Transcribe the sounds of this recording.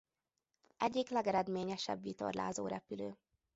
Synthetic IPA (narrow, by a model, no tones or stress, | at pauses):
ʔɛɟːiklɛɡɛɾɛd̪meːɲɛʃɛ̰bʋit̪o̞̰rlʔa̰ːzoːɾɛpyløː